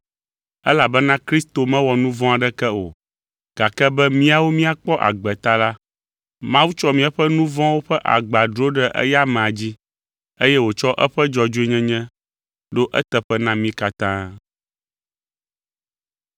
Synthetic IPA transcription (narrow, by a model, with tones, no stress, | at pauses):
ɛ˦la˨bɛ˦nã˦kɾi˦st̪o˨mɛ̃˦wɔ˨nũ˦vɔ̃˦a˨ɖɛ˦kɛ˦o˨ | ɡ̥a˨kɛ˦bɛ˦mĩ˦a˨wo˦mĩ˦a˨k͡pɔ˦ʔa̰˨ɡ͡bɛ˨t̪a˦la˦ | mã˦wu˦t͡ʃɔ˦mĩ˦ɛ˦ɸɛ˦nũ˦vɔ̃˦wo˦ɸɛ˦ʔa̰˨ɡ͡ba˨ɖɾo˦ɖɛ˦ʔɛ̰˦ja˦mɛ̃˨a˨d͡ʑi˦ | e˦jɛ˦wo˨t͡ʃɔ˦ʔɛ˦ɸɛ˦d͡ʒɔ˨d͡ʒo˦e˦ɲɛ̃˦ɲɛ̃˦ | ɖo˦ʔɛ˦t̪ɛ˨ɸɛ˦nã˦mĩ˦ka˨t̪ã˦